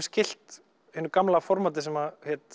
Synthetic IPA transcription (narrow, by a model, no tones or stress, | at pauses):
scɪl̥t̪ | hɪnːʏɾkamlafɔɾmat̪̬ɪsɛmahɛt̪